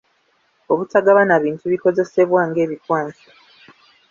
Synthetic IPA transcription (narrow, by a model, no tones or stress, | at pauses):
o̞βutaɡaβanaβiːntuβiko̞ze̞se̞βwaːŋɡe̞ːβikwaːnsi̥